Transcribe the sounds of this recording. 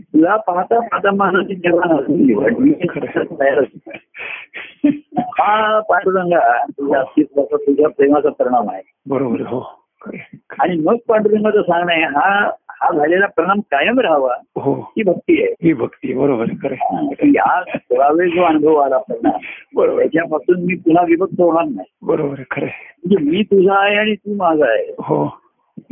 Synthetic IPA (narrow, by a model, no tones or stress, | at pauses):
t̪ulapaat̪apat̪amanat̪iːd͡ʑəɾanasuiʋəʈmikiŋət̪əjaɾəsi | hapaɳɖuɾəŋɡat̪ud͡ʑʱast̪iːt͡s̪ɡasat̪ud͡ʑʱjapɾemat͡sapəɾəɳ̃ama̰ɦe | bəɾobəɾɦo | kəaɽ̃iməɡ̚paɳɖuɾəŋɡat͡sasãŋɡɳajeɦahad͡zʱaljalapəɾəɳ̃amkajəmɾaɦʋaɦoɦiːbʱək̚t̪ijeɦiːbʱəkt̪iebəɾobəɾkʰəɾeakiɦasəʋaʋed͡zʱoanbʱəʋalapəɾəɳambəɾo̰jat͡ɕjapasuːnmiːpun̤aʋiʋət̚sʰəoɽaknaɦibəɾobəɾkʰəɾem̤əɳd͡zemiːt̪ud͡zʱaːɦeaɽ̃it̪uːmad͡zʱaːɦeɦo